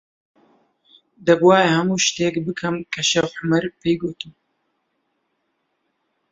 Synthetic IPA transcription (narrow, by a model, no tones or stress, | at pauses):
d̪ɐbwaːjehɐmuːʃt̪eːkbɨkʰɐmkʰɐʃɐwħamɐɾpeːɡoːt̪ɨm